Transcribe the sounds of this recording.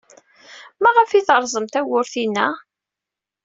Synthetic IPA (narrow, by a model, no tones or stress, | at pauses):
mæʁəfiθəɾˤzˤəmt̪æwʊɾθinːæ